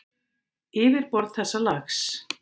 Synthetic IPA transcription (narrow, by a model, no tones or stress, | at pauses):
ɪːvɪɾ̥pɔɾt̪̚θɛsːalaxs